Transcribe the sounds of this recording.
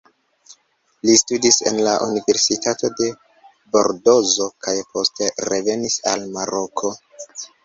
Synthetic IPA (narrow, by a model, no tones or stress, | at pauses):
listudise̞̰nlaʔunive̞ɾsitato̞de̞ | bo̞̰ɾdo̞zo̞kʰajpʰo̞ste̞ɾe̞ve̞nisalmaɾo̞kʰo̞